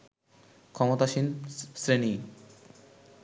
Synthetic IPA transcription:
kʰɔmot̪aʃinsɾeni

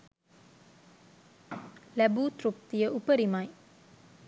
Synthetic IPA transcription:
læbuːt̪ɾup̚t̪iəʔupəɾimaj

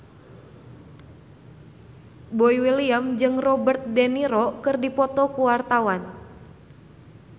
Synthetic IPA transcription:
boiwiliamd͡ʒɨŋrɔbərt̪̚dɛniɾɔkɨrdipɔt̪ɔkuwart̪awan

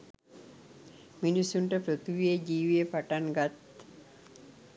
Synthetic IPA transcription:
minisːuɳʈɐpɾot̪uʋijed͡ʒiːʋiepaʈaŋɡat̪

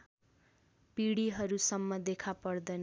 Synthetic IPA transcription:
piɽiɦʌɾusʌmːʌd̪ekʰapʌrd̪ʌjn

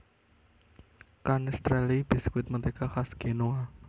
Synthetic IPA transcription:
kanɛst̪ɾɛlib̥i̤skwɪt̪̚mət̪ekaxasɡ̥enoa

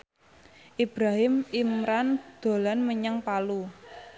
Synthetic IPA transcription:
ʔib̥ɾaɦɪmimɾand̪̥o̤lanməɲəŋpalu

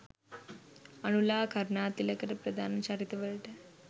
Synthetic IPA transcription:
ɐñulaːkʰəɾɳaːt̪ilekəɾpɾəd̪ʱaːnt͡ɕaɾit̪ʋəɭʈ̪ɛ

